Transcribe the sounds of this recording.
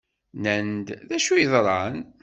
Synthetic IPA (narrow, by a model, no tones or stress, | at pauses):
nənd̪ðæʃujðˤɾˤɑn